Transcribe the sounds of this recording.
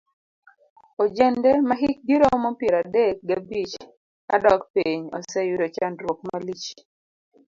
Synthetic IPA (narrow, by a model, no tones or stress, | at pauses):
od͡ʒɛndɛmaɦik̚diɾomɔpjɛɾadek̚ɡabit͡ʃ | a̰dɔkpeɲɔ̰sɛjuɾot͡ʃandɾwok̚malit͡ʃ